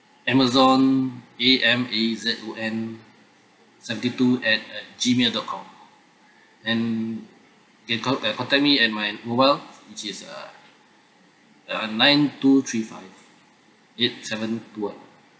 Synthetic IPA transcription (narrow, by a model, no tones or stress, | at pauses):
ɛməzɔ̃neʔɛ̃mezɛtoʔɛ̃n | sɛvə̃ntituɛt̚d͡ʒimelˠdɔt̚kʰɔ̃m | dɛ̃n | kɛ̃nkkɔ̃ntɛk̚miɛt̚majmobaɪlwit͡ʃisʌ̰ | ənãɪ̃ntut̪ʰɹifaɪv | et̚sɛvə̃ntuãn